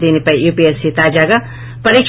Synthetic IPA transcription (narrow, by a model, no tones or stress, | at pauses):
d̪inipɐijupiesit̪ad͡ʒaɡa | pʌɾik